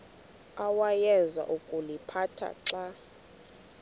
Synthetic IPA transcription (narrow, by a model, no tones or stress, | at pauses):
awajɛnza̰ʔukʼulipʰatʰa̰ǁa